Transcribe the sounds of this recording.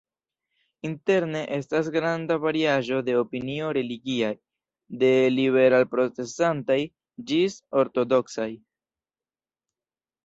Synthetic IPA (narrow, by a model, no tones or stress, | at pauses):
inte̞ɾne̞ʔe̞stas̬ɡɾandavaɾiaʒo̞de̞opinio̞ɾe̞liɡiaj | de̞liβe̞ɾalpɾo̞t͡se̞santaj | d͡ʒiso̞ɾto̞do̞ksaj